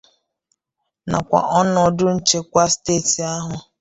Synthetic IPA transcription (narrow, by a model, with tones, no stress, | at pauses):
na̰˨kʷa̰˨ʔɔ˦n˦ɔ˨dʊ˦n̩˦t͡ʃe˦kʷa˦steː˦˨ti˨a˦ɦʊ˨